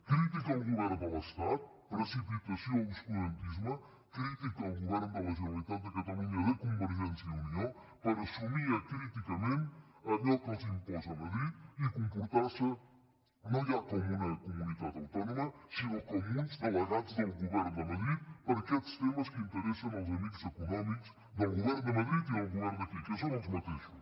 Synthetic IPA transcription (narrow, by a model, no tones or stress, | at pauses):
kɾit̪ikɐlˠɡuvɛɾnd̪ɐlɐst̪at̪̚ | ɾɐsipit̪əsioluspud̪ent̪izmə | kɾit̪ikɐlˠɡuvɛɾnd̪əlɐʒulit̪at̪̚d̪əkɐt̪ɐlˠunəðekumbəɾʒɛnt̪siəunio | pəɾəsumiɐkɾit̪ikɐment̪ | ɐd̪ɛkɔzinpɔzɐmɐd̪ɾit̪ikõmpuɾt̪asɐ | nɐ̃ak̪omũnɐkumuniðaðɐwt̪ɔnumɐsiukomũnzd̪ɐlˠɐɣaðuɐ̃wɣuvɛɾnud̪ɐmɐðɾiðpɐɾɐkɛd̪u̥ʃt̪emɐʃkɨĩnt̪əɾɛsɐ̃w̃awzɐmiɣuzekunɔmikuʃ | ðɐwɣuvɛɾnd̪ɐmɐðɾiðiawɣuvɛɾnɐkikɛsɐ̃w̃zmɐt̪iʃu